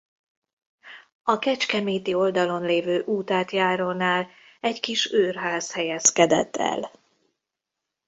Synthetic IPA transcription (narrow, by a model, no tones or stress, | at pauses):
ɒkɛt͡ʃkɛmeːt̪io̞ld̪ɒlo̞nleːvøːʔuːt̪aːt̪jaːɾoːnaːl | ɛɟkiʃøːrɦaːshɛjɛskɛd̪ɛ̰t̪ːɛ̰l